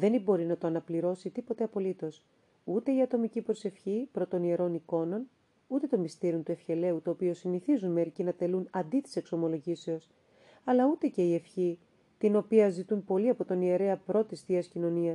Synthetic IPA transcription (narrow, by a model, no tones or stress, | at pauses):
ðe̞nibo̞ɾinɐt̪oɐnɐpliɾo̞sit̪ipo̞t̪e̞ɐpo̞lit̪o̞s | ut̪e̞iɐt̪o̞micipɾo̞se̞fçipɾo̞t̪o̞nie̞ɾo̞niko̞no̞n | ut̪e̞t̪o̞mist̪iɾiont̪ue̞fçe̞le̞ut̪oːpio̞siniθizunme̞ɾicinɐt̪e̞lunɐnd̪it̪i̥se̞kso̞mo̞lo̞ʝise̞o̞s | ɐlɐut̪e̞ce̞ie̞fçi | t̪ino̞piɐzit̪unpo̞liɐpo̞t̪o̞nie̞ɾe̞ɐpɾo̞t̪ist̪iɐscino̞niɐs